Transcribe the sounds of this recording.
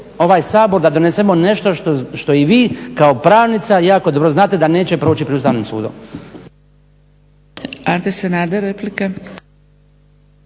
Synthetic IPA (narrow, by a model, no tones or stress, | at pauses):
o̞ʋaːjsaːbo̞ɾd̪ad̪o̞nesemo̞ne̞ʃt̪o̞ʃt̪oʃt̪o̞iʋiːkao̞pɾaːʋnit̪sajaːko̞d̪o̞bɾo̞znaːt̪e̞d̪ane̞ːt͡ɕepɾoːt͡ɕipɾd̪ust̪aːʋnimsṵːd̪o̰m | ant̪esenaːd̪aɾeplika